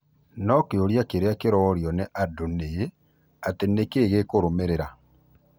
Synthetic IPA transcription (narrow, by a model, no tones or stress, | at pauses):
nɔkeoɾjakeɾeakeɾɔːɾjɔneʔadoneje | atenekeːɣekoɾomeɾeɾa